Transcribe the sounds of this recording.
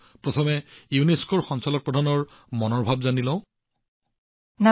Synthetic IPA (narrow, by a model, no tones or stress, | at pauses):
pɹɔt̪ʰɔmɛjuneskɔɹxɔnsalɔk̚pɹɔdʱanɔɹ | mɔnɔɹbʱabzanilɔ̃ʊ̃ | na